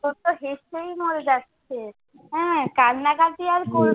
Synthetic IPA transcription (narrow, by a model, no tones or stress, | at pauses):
ot̪oɦeʃejmoɾed͡ʒatt͡ɕʰe | ɦɛ̃kanːakat̪iaɾkoɾ